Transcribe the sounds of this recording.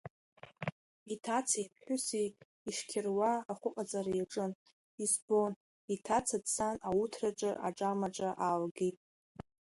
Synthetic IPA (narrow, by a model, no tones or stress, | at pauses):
itʰat͡sʰaipʰħʷʊsi | iʂkʲʰɪrwaːχʷʊqʼad͡zʼaɾajaʈ͡ʂʼɨn | isbo̞n | itʰat͡sʰadsanautʰraʈ͡ʂʼɨ̰ʔaʈ͡ʂʼamaʈ͡ʂʼaʔalɡitʼ